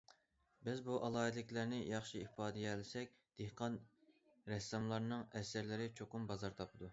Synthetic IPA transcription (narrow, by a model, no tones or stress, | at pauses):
bɪzbuʔɑlˠɑːɨd̪lɪkʲlæɾnɪjɑχʃiihpɑːd̪ɪjɛlɪsɛk̚ʲ | d̪̥ehqʰɑn | ɾɛsɑmlˠɑɾnɨŋɛsæɾlɪɾɪt͡ʃʰoqʊmbɑzɑɾt̪ʰɑpʰɨd̪u